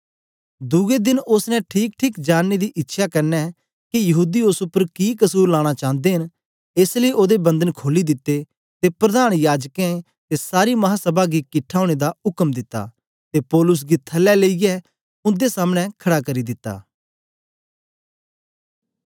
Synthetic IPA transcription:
d̪ʊɡed̪ɪnʊsnɛ̃ʈʰiːk̚ʈʰiːkd͡ʒaːnːed̪iʔɪtːʃʰakɐɾnɛ | kijɐɦuːd̪ioːsʊpːəɾkikəɐsuːɾlaːɽ̃at͡ʃãːnd̪eɦɪn | eːsləiʔoːd̪ebɐ̃nd̪ənkʰoːlid̪ɪt̪ːe | t̪epɾɐd̪aːɽ̃jaːd͡ʒkɛ̃ | t̪esaːɾimɐɦasɐbaɡikɪʈʰaːʊɽ̃ed̪aʊkəmd̪ɪt̪ːa̰ | t̪epɔːlʊs̬ɡit̪ʰɐlːɛleijɛ | ʊ̃nd̪esaːmɽ̃ɛ̃kʰɐɽakɐɾid̪ɪt̪ːa̰ː

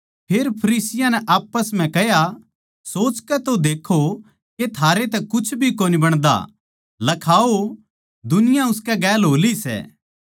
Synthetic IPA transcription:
pʰeːɾpʰɐɾiːsɪjãnɛʔaːpːəsm̤ɛ̃kɛɦja | soːt͡ʃkɛt̪od̪eːkʰo | ket̪ʰaːɾet̪ɛkʊt͡ʃʰbʱikoːnibɐɽ̃d̪a̰ | lɐkʰaːo | d̪ʊnɪjãʊskɛɡɛːlɦoːlisɛ̰ː

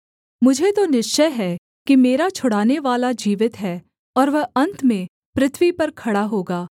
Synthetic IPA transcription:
mʊd͡ʒʱet̪onɪʃt͡ʃəjɦɛ | kimeːɾat͡ʃʰʊɽaːneʋaːlad͡ʒiːʋɪt̪ɦɛː | ɔːɾʋɐɦɐ̃nt̪mẽ | pɾɪt̪ʰʋipɐɾkʰɐɽaɦoːɡaː

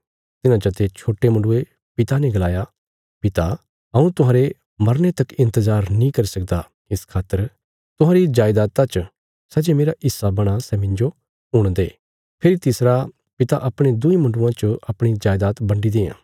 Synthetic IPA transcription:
t̪ɪnãd͡ʒɐt̪et͡ʃʰoːʈemɐ̃ɳɖʊe | pɪt̪anɛ̃ɡɐlaːja | pɪt̪a | ɐũt̪ʊɦãːɾe | mɐɾnet̪ɐkɪ̃nt̪əzaːɾnĩkɐɾisɐk̚d̪a | ɪskʰaːt̪ːəɾ | t̪ʊɦãːɾid͡ʒaːjd̪aːt̪ãt͡ʃ | sɛd͡ʒemeːɾaʔɪsːabɐɽ̃asɛmɪ̃ɲd͡ʒo | ɦʊɽ̃d̪eː | pʰɪɾit̪ɪsɾa | pɪt̪aʔɐpɽ̃ed̪ʊimɐ̃ɳɖʊãt͡ʃoʔɐpɽ̃id͡ʒaːjd̪aːt̪bɐ̃ɳɖid̪eːã̰ː

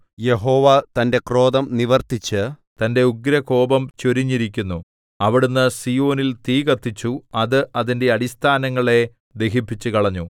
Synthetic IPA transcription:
je̞ɦo̞ːʋɐt̪ɐnde̞kro̞ːðɐmniʋɐrt̪it͡ɕːɨ | t̪ɐnde̞uɡɾɐko̞ːbɐmt͡ɕoɾiɲːiɾik̬ʲːunːu | ɐʋiɽunːɐsijo̞ːnilt̪iːɡɐt̪ːit͡ɕːuɐðɨʔɐðinde̞ɐɽist̪ʰaːnɐŋːɐɭe̞ | d̪e̞ɦipːit͡ɕːukɐɭɐɲːu

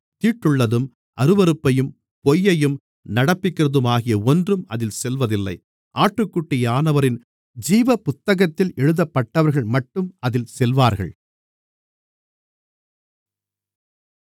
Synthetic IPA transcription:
t̪iːʈːɯɭːɐðɯm | ʔɐɾɯʋɐɾɯpːɐjɯm | pɔjːɐjɯm | nɐɽɐpːɪkːɪrɐðɯmaːɣɪjɐɔndrɯmɐ̰ðɪlsɛlʋɐðɪlːɐ̰ɪ | ʔaːʈːrɯkːʊʈːɪjaːnɐʋɐɾɪn | d͡ʒiːʋɐpʊt̪ːɐɣɐt̪ːɪlɛɻɯðɐpːɐʈːɐʋɐɾɣɐɭmɐʈːɯmɐðɪlsɛlʋaːɾɣɐ̰ɭ

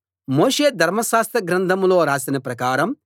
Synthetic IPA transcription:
moːʂeːd̪ʱɐɾmɐʃaːst̪ɾɐɡɾɐnd̪ʱɐmloːɾaːsinɐpɾɐkaːɾɐm

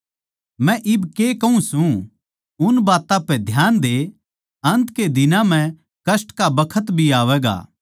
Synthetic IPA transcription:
mɛ̃ʔɪbkekɐũsũ | ʊnbaːt̪ãpɛd̪ʱjaːnd̪e | ɐ̃nt̪ked̪ɪnãm̤ɛ̃ | kɐsʈkabɐkʰət̪bʱiaːʋɛːɡa̰ː

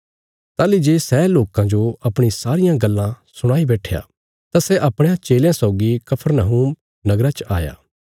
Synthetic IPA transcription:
t̪aːlid͡ʒeːsɛloːkãd͡ʒoɐpɽ̃isaːɾɪjãɡɐlːã | sʊɽ̃aːibɛːʈʰeja̰ː | t̪asɛʔɐpɽ̃eãt͡ʃeːljãsaʊɡikɐpʰəɾnəɦuːm | nɐɡɾat͡ʃʔa̰ːja̰ː

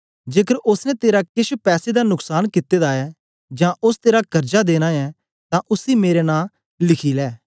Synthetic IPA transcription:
d͡ʒeːkəɾʔʊsnɛ̃t̪eːɾakɪʃʰpɛːsed̪aːnʊksaːnkɪt̪ːeːd̪aːɛː | d͡ʒãːʔʊst̪eːɾaːkəɾd͡ʒad̪eːnaːɛː | t̪ãːʔʊsiːmeːɾenãː | lɪkʰiːlɛː

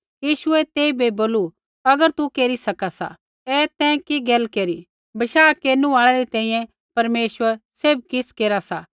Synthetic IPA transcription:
jiːʃʊɛt̪eːibeboːlu | ɐɡəɾt̪ukeːɾisɐkasa̰ | ɛːt̪ɛ̃kiɡɛːlkeːɾi | bɐʃaːkeːnuaːɭɛɾit̪ɛ̃ːĩːjɛ̃ | pɐɾmeːsʋəɾseːb̚kɪskeːɾasa

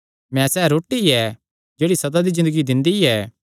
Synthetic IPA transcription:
mɛ̃sɛːɾoːʈiɛ | d͡ʒeːɽisɐd̪ad̪id͡ʒɪ̃nd̪əɡid̪ɪ̃nd̪iɛː

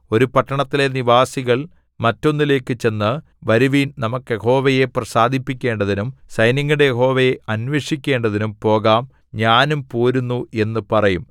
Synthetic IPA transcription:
o̞ɾupɐʈːɐɳɐt̪ːile̞niʋaːsiɣɐɭ | mɐtːo̞nːile̞ːkːɨt͡ɕe̞nːɨ | ʋɐɾuʋiːnnɐmukːɨje̞ho̞ːʋɐje̞prɐsaːd̪ʱipːikʲːe̞ːɳɖɐðinumsɐjnɐŋːuɽejeɦo̞ːʋɐjeʔɐnʋeːʂikʲːe̞ːɳɖɐðinumpo̞ːɣaːm | ɲaːnumpoːɾunːue̞nːɨpɐrɐjum

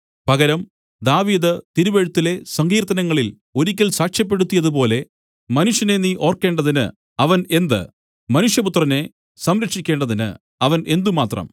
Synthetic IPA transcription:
pɐɣɐɾɐm | d̪aːʋiːd̪ɨt̪iɾuʋeɻut̪ːile̞sɐŋɡiːɾt̪ɐnɐŋːɐɭil | o̞ɾikʲːɐlsaːkʂjɐp̬ːe̞ɽut̪ːijɐðupo̞ːle̞ | mɐnuʂjɐne̞niːʔo̞ːrke̞ːɳɖɐðinɨ̰ | ɐʋɐne̞nd̪ɨ̰ | mɐnuʂjɐput̪rɐne̞ | sɐmɾɐkʂikʲːe̞ːɳɖɐðinɨ̰ | ɐʋɐnʔe̞nd̪umaːt̪rɐ̰m

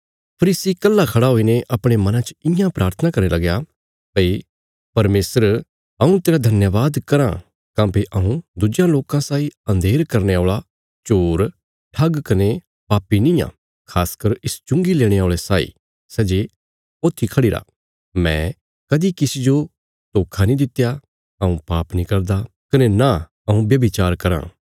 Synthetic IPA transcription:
pʰɐɾiːsikɐlːakʰɐɽaɦoːineʔɐpɽ̃emɐnãt͡ʃɪjãpɾʔaːɾt̪ʰənakɐɾelɐɡja | pɐi | pɐɾmeːsəɾ | ɐũt̪eːɾad̪ʱɐnjəʋaːd̪kɐɾã̰ | kãːpeʔɐũd̪ʊd͡ʒjãloːkãsaːiɐ̃nd̪ʱeːɾkɐɾneaːɭa | t͡ʃoːɾ | ʈʰɐɡkɐne | paːpːinĩːjã̰ | kʰaːskɐɾɪst͡ʃʊ̃ŋɡileːɽ̃eaːɭesaːḭ | sɛːd͡ʒe | oːt̪ʰːikʰɐɽiːɾa̰ | mɛ̰̃ː | kɐd̪ikɪsid͡ʒo | t̪oːkʰanĩd̪ɪt̪ja | ɐũpaːpnikɐɾd̪a | kɐnena | ɐũbjɐbit͡ʃaːɾkɐɾã̰ː

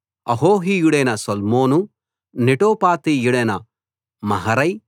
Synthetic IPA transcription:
ɐ̰ɦoːɦijuɽeːnɐsɐlmoːnu | niʈoːpaːt̪ijuɽeːnɐ | mɐɦɐɾɐj

